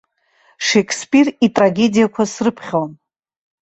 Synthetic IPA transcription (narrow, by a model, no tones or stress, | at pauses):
ʂekʰspʼiritʼraɡʲe̞dijakʷʰasrɨpʰχʲon